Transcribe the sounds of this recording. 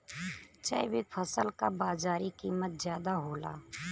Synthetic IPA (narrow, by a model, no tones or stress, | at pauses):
t͡ʃə̰bɪpʰəsəlkabaːzaːɾikiːmət̪̚zjaːd̪aɦoːla̰ː